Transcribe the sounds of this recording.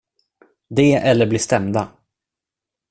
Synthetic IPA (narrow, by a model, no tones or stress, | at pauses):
d̪ɛːʔɛlːəɾblɪʂt̪ɛmd̪a